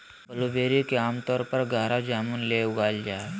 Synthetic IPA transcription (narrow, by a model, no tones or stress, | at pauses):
bəlobeɾikeaːmt̪ɔːɾpəɾɡʱaːɾad͡ʒaːmunleuɡaːld͡ʒaːe